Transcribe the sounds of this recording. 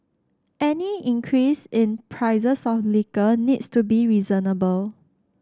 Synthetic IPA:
ʔɛniĩŋkʰɹisɪ̃npʰɹaɪzəsɔflikənitstubiɹizənəbəl

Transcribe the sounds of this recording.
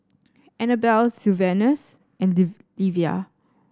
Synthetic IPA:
ɛnəbɛlsuvɛnəs | ɛ̃nd | livia̰

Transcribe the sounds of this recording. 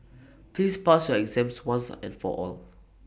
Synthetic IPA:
plispasjɔɛɡzɛ̃mpswãnsɛ̰̃nfɔ̰ʔɔ̰l

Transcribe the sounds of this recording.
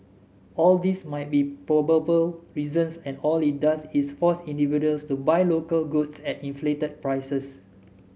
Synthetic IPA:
ʔɔldismajt̚bipɹɔbəbəlɹizə̃nsɛ̃nɔlit̚dasisfɔsĩndividuəlstubajlokəlɡutsɛtĩnfletəd̚pɹajsəs

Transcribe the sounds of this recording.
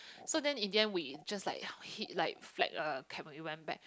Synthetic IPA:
sodɛ̃nĩndiɛ̃nwid͡ʒaslaɪk̚hitlaɪk̚flɛ̰k̚ʌkʰɛ̃nɛ̃iwɛ̃nbɛ̰k̚

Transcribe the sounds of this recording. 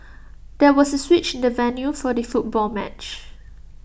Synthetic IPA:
d̥ɛwɔsəswit͡ʃɪ̃ndəvɛnjufɔdəfut̚bɔlmɛt͡ʃ

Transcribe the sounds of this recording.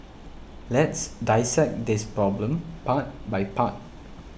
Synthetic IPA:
lɛtsdaɪsɛk̚dispɹɔblə̃mpat̚bajpat̚

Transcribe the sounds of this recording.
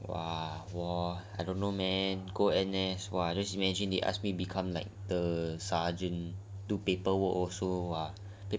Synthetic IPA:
wa̰wɔajdõnːomɛnɡoɛnɛswaad͡ʒasimɛd͡ʒĩndeʔa̰s̚mibikʰãmlaɪk̚dəsad͡ʒə̃ndupepəwəkɔsowa | pe

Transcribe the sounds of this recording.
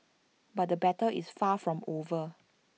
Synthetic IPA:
bat̚dəbɛtəlisfafɹɔ̃movə

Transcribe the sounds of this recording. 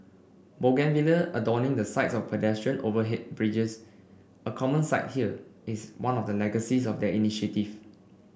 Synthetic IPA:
boɡɛ̃nviləʔədɔnɪ̃ŋdəsaɪtsɔfpʰədɛstɹə̃novəɦɛt̚bɹid͡ʒəs | əkʰɔmə̃nsaɪt̚hiəiswãnɔfdəlɛɡəsisɔfdɛiniʃətiv

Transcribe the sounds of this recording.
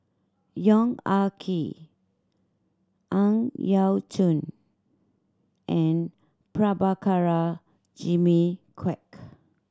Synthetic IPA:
jɔ̃ŋakʰi | ʔãŋjawtʰũn | ʔɛ̃n | pɹabakʰaɹa | d͡ʒimikʰwɛk

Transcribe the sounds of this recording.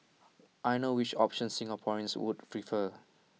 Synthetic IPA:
ʔajnowit͡ʃɔpʃə̃nsĩŋapʰɔɹə̃nswṵdpɹifə

